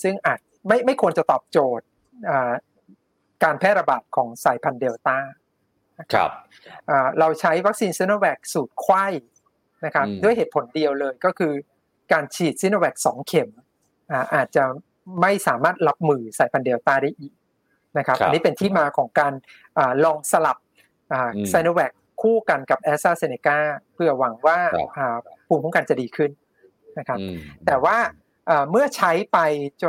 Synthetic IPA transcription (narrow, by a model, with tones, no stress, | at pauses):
sɯ˥˩ŋʔaː˨˩t̪̚ma˥˩jma˥˩jkʰu˧ənt͡ɕa˨˩t̪ɔː˨˩p̚t͡ɕoː˨˩t̪̚ | ʔaː˨˩ | kaː˧npʰɛː˥˩ɾa˧baː˨˩t̪̚kʰɔː˩˦ŋsaː˩jpʰa˧ndeː˧wt̪aː˥˩ | na˦˥kʰa̰˧p̚ | ʔaː˨˩ɾa˧wt͡ɕʰa˦˥jwa˦˥k̚siː˧nsi˦˥no˧wɛː˨˩k̚suː˨˩t̪̚kʰwa˥˩j | na˦˥kʰa˦˥p̚du˥˩əjɦeː˨˩t̪̚pʰo˩˦ndi˧əwlɤː˧jkɔː˥˩kʰɯː˧ | kaː˧nt͡ɕʰiː˨˩t̪̚si˦˥n˧wɛː˨˩k̚sɔː˩˦ŋkʰe˨˩˦m | ʔaː˨˩ʔaː˨˩t̪̚t͡ɕa˨˩ | ma˥˩jsaː˩˦maː˥˩t̪̚la˦˥p̚mɯː˧saː˨˩˦jpʰa˧ndi˧əwt̪aː˧˩daː˥˩jʔiː˨˩k̚ | na˦˥kʰa˦˥pa˧ni˦˥pe˧nt̪ʰiː˥˩maː˧kʰɔː˩˦ŋkaː˧n | ʔaː˨˩lɔː˧ŋsa˧la˨˩p̚ | ʔaː˨˩sa˧jno˧wɛː˨˩kʰːuː˥˩ka˧nka˨˩p̚ʔɛː˦˥saː˥˩se˧neː˧kaː˥˩pʰɯ˧˥˩ɐwa˩˦ŋwaː˥˩ʔaː˨˩pʰuː˧mkʰɔ˩˦ŋka˧nt͡ɕa˨˩diː˧kʰɯ˥˩n | na˦˥kʰa˦˥p̚t̪ɛː˨˩waː˥˩ | ʔaː˨˩mɯ˥˩ɐt͡ɕʰa˦˥jpa˧jt͡ɕ